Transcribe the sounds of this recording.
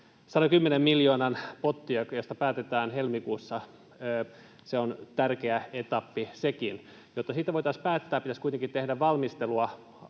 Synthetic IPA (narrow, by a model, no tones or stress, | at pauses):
sɑnokymːenemmiljoːnɑnpot̪ːiɑjost̪ɑpæːt̪et̪æːnhelmikuːsːɑ | øː | seont̪ærkeæet̪ɑpːisekin | jot̪ːɑsiːt̪æʋoijt̪ɑspæːt̪ːæːpit̪æskuit̪eŋkit̪t̪ehdæʋʋɑlmist̪eluɑ